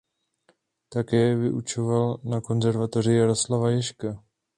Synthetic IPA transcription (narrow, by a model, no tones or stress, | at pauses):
t̪akɛːvɪʔut͡ʃovalnako̞nzɛɾvat̪orɪjaɾoslavajɛʃka